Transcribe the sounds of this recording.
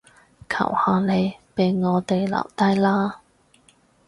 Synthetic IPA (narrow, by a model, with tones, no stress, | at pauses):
kʰɐ̰˨˩whaː˨˧ne˨˧jpe˨˧jŋɔː˨˧t̪e˨jla̰ː˨˩mt̪ɐ˥jlaː˥